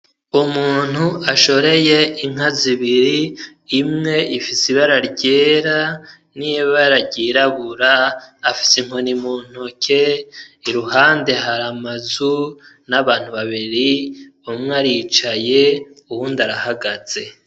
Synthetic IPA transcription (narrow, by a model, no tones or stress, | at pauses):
umuːn̥huaʃo̞ɾe̞je̞iŋ̥aziβiɾiː | mŋe̞ifisiβaɾaɾɟe̞ːɾa | nijeβaɾaɟiɾaβuɾaːfi̥siŋ̥onimuːn̥hukʰe̞iɾuhaːnde̞ɦaɾamazunaβaːn̥uβaβiɾiumŋaɾiːt͡ʃaje̞ | uwundaɾahaɡaz̥e̞